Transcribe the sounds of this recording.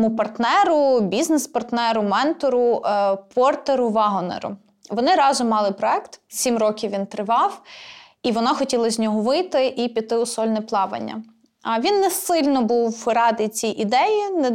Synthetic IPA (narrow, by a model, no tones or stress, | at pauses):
mupɐrt̪nɛɾʊbʲiznespɐrt̪nɛɾʊmɛnt̪ɔɾʊpʰɔrt̪eɾʊʋɑɦɔnḛɾʊ̰ | ʋɔnɪɾɑʒɪmɑlˠɪpɾɔɛkt̪sʲimrɔkʲiwʋʲint̪ɾɪʋɑw | iʋɔnɑxɔtʲilˠɐzʲnʲɔɦɔʋɪjt̪ɪʔipʲit̪ːɪʊsɔlʲnɛplˠɑʋɐ̰nʲːɐ̰ | ɐʋʲinːɛsɪlʲnɔbuwɾɑd̪ɪt͡sʲijʔid̪ɛjinɛ